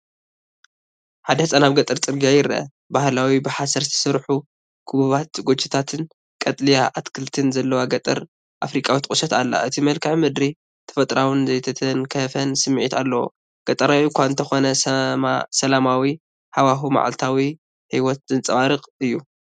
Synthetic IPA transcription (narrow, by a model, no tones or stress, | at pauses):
ħad̪ɐhɨt͡sʼanaβɡɐt̪ʼɨɾt͡s̪ʼɨɾɡijajɪɾɐɐ̰ | bahlawibɨħasɐɾt̪ʰi̥sɨɾħu | kʰuββat̪ɡot͡ʃʰːi̥t̪ʰat̪ʰɨn | kʼɐt̪ʼlijaʔat̪kʰɨlt̪ʰɨnzɐlːɐwaɡɐt̪ʼɨ̰ɾ | ʔafɾikʼawit̪kʼɨʃɐt̪alːa̰ʔɨt̪ʰimɐlkʰɨʕmɨd̪ɾi | t̪ʰɐ̥fɐt̪ʼɾawɨnzɐjt̪ʰɐt̪ʰɐnkʰɐfɐnsɨmːʕit̪ʰalːɐwo̰ | ɡ̥ɐt̪ʼɐɾawikʰʷaɨnt̪ʰɐxo̞nɐ | sɐlamawi | hawaɦuma̰ʕa̰lt̪ʰawi | hiwɔt̪̚zɨnt͡sʼɐβaɾɨqʼɨjːu